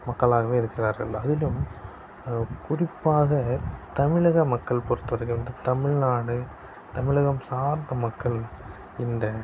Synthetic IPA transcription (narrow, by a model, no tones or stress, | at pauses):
mɐkːɐɭaːɣɐʋeːɪɾɯkːɪraːɾɣɐ̰ɭɐðɪlɯm | kʊrɪpːaːɣɐt̪ɐmɪɭɐɣɐmɐkːɐɭpɔɾɯt̪ːɯʋɐɾɐɪkːɯnd̪ɐt̪ɐmɪɻnaːɽɯ | t̪ɐmɪɭɐɣɐmsaːɾnd̪ɐmɐkːɐɭ | ɪnd̪ɐ